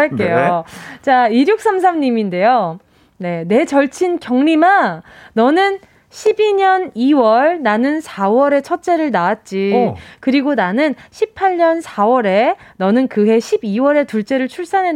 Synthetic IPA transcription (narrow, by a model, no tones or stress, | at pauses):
aɭk͈ejot͡ɕaiɾjok̚s͈ams̬ʰamɲiminde̞jo | ne̞ne̞t͡ɕʌɭt͡ɕʰinkjʌŋɲimanʌnɯn | ɕʰibiɲʌniwʌɭnanɯnsʰawʌɾe̞t͡ɕʰʌt̚t͡ɕ͈e̞ɾɯɭnaat̚t͡ɕ͈ikɯɾiɡonanɯnɕʰipʰaɭɲʌnsʰawʌɾe̞nʌnɯnkɯɦe̞ɕʰibiwʌɾe̞tuɭt͡ɕ͈e̞ɾɯɭt͡ɕʰuɭs͈anɦe